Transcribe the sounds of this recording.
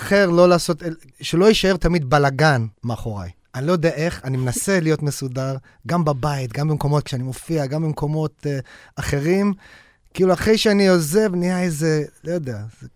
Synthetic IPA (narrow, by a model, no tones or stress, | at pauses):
aχeʁlo̞laːso̞t̪el | ʃelo̞jiʃae̞ʁt̪amid̪balaɡanmeaχo̞ʁa̰j | anilojod̪eaʔe̞χanimenase̞lijo̞tme̞sudaʁ | ɡambabait̪ɡambemko̞mo̞t̪̚kʃeanimo̞fiaɡambemko̞mo̞t̪aχe̞ʁim | kiːluaχʁejʃeanio̞ze̞vnijaezelojod̪eaze